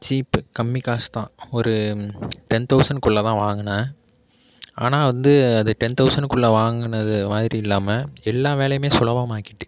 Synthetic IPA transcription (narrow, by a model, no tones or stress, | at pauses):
t͡ʃiːpkɐmːikaːst̪ãːɔɾɯʈɛnt̪ɐʊsɐɳɖkʊɭːɐt̪ãːʋaːŋɡɐnɐ | a̰ːnaːʋɐnd̪ɯɐðɯʈɛnt̪ɐʊsɐɳɖkʊɭːɐʋaːŋɡɯnɐðɯmaːðɪɾiɪlːaːmɐɛlːaːʋeːɭɐjɯmeːsʊlɐʋɐmaːkɪʈːɯ